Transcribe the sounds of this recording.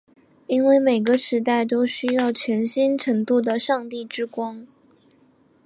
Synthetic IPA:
i˥nwe˥˩ɪme˨˩ɪɡə˦ʂɻ̩˧˥t̪̬a˥˩ɪt̪o˥ʊɕy˥jɑ˥˩ʊt͡ɕʰɥɛ˧˥nɕi˥nʈ͡ʂʰɤ˧˥ŋt̪u˥˩d̪ə˩ʂɑ˥˧ŋt̪i˥˩ʈ͡ʂɻ̩˥kwɑ˥ŋ

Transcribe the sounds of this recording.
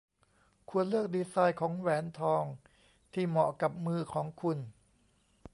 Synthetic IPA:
kʰu˧ənlɯ˥˩ək̚diː˧saː˧jkʰɔː˩˦ŋwɛː˩˦nt̪ʰɔː˧ŋ | t̪ʰiː˥˩mɔ˨˩ka˨˩p̚mɯː˧˩kʰɔː˩˦ŋkʰu˧n

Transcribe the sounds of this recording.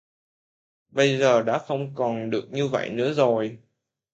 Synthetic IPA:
ɓə˧jzəː˨˩ɗa̰ː˧˥xə˧wŋ͡mkɔ˨˩nɗɨ˨˩ək̚ɲɨ˧və̰˧˨jnɨ̰˧˥əzo˨˩j

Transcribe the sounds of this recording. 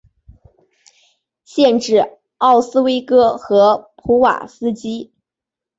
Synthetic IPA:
ɕjɛ˥˧nʈ͡ʂɻ̩˥˩˧ | ɑ˥˩ʊsɹ̩˥we˥ɪkɤ˥xɤ˧˥pʰu˧˥wa̰˨˩sɹ̩˥t͡ɕi˥

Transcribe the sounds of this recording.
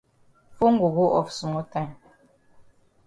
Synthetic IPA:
fo˦ŋ˦ɡu˨ɣo˦ʔɔ˨fsu˨mɔ˦ta˦˨n

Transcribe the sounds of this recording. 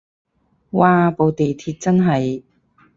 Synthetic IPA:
waː˨˧po˨˧wt̪e˨jt̪ʰiː˧t̚t͡sɐ˥nɦɐ˨˩j

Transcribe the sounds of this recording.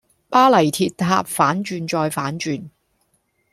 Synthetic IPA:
paː˥lɐ˨˩jt̪ʰiː˨˧t̚t̪ʰa̰ː˧p̚faː˨˥nt͡ʃyː˧nt͡ʃɔː˧jfaː˨˥nt͡ʃyː˧n

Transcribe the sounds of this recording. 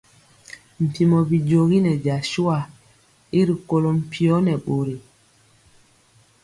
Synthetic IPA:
m̩˨pi˨mɔ˨bi˨d͡ʒo˨ɣi˦nɛ˨d͡ʒa˨ʃu˦a˨ | i˦ɾi˨ko˨lo˨m̩˨pʰi˨ɔ˦nɛ˨ɓo˨ɾi˨

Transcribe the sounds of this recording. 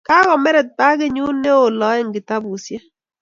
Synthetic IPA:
ka˦kɔ˨mɛ˦ɾɛ˨t̚pa˦ke˦ɲu˦nːe˦o˨lɔ˨˦ɛ˦˨ŋɡɪ˨ta˦bu˨sjɛ˦

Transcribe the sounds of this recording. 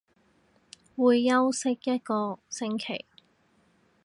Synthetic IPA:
wuː˨˧jːɐ˥wsɪ˥k̚jɐ˥t̚kɔː˧sɪ˧˥ŋkʰḛ˨˩j

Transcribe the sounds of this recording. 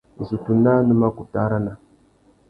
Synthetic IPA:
zu˨tu˨na˦nə˦ma˦ku˨ta˦ɾa˦na˨

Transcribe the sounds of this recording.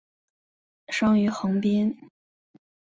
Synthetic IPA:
ʂɑ˥ŋy˧˥xɤ˧˥ŋpjɛ˥n

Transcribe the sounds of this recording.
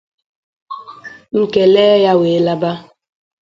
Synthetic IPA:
ŋ̩˨ke˨le˦ja˦we˨˦la˦ba˦

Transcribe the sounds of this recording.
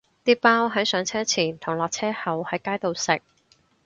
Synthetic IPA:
t̪iː˥paː˥wɦɐ˨˥jsœː˨˥ŋt͡sʰɛː˥t͡sʰiː˨˩nt̪ʰʊ˨˩ŋlɔː˨k̚t͡sʰɛː˥hɐ˨˩whɐ˨˥jkaː˥jt̪o˨wsɪ˨k̚

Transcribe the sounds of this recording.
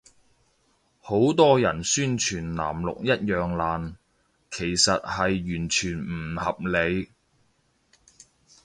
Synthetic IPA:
ho˨˥wt̪ɔː˥jɐ˨˩nsyː˥nt͡ʃʰyː˨˩nla̰ː˨˩mlʊ̰˨k̚jɐ˥t̚jœː˨ŋlaː˨n | kʰe˨˩jsɐ˨t̚hɐ˨jːyː˨˩nt͡ʃʰyː˨˩nm̩˨˩hɐ˨p̚le˨˧j

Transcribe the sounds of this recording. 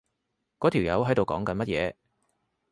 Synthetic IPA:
kɔː˨˥t̪ʰiː˨˩wjɐ̰˨˧wɦɐ˨˥jt̪o˨wkɔ̰ː˨˥ŋkɐ˨nmɐ˥t̚jɛ̰ː˨˧

